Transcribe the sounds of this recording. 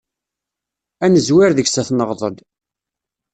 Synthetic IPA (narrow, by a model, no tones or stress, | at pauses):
ænəzwɪɾðəɡsæθnəʁðˤəd̪